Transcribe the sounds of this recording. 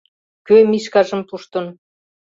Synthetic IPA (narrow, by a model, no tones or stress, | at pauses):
kømiʃkɑʒə̆mpuʃt̪ɤ̆n